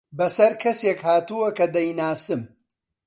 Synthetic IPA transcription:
bɐsɐɾkʰɐseːkhaːt̪uwɐkɐd̪ɐjnaːsɨm

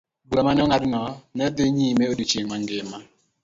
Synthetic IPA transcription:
bamanɔŋadnɔnɛdɪɲimɛodit͡ʃeŋmaŋɡɪma

